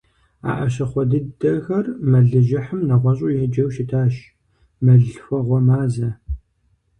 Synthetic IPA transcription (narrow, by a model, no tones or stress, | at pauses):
a̰ːʔɐɕɐχʷɔdɨdɐxɐrmɐɮɨʒɪħəmnɐʁʷɔɕʼʊjɛd͡ʒɐwʃɪtʰaːʃ | mɐɮfʷɔʁʷɔmaːzɐ